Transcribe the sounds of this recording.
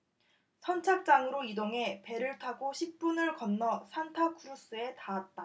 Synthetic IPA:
sʰʌnt͡ɕʰak̚t͡ɕ͈aŋɯɾoidoŋɦe̞pe̞ɾɯɭtʰaɡoɕʰip̚p͈unɯɭkʌnːʌsʰantʰakʰuɾus͈ɯe̞taat̚t͈a

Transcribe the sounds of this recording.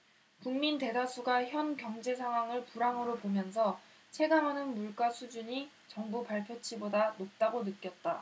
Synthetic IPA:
kuŋminte̞dasʰuɡaçjʌnkjʌŋd͡ʑe̞sʰaŋɦwaŋɯɭpuɾaŋɯɾopomjʌns̬ʰʌ | t͡ɕʰe̞ɡaŋɦanɯnmuɭk͈asʰud͡ʑuɲi | t͡ɕʌŋbupaɭpʰjot͡ɕʰibodanop̚t͈aɡonɯk̚k͈jʌt̚t͈a

